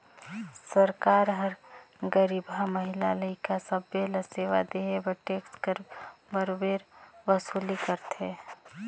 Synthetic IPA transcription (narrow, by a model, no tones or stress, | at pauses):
səɾkaːɾɦəɾ | ɡəɾibɦaməɦɪlaləikasəbːeləseʋa̰d̪eebəʈekskəɾbəɾbeːɾbəsulikəɾt̪ʰe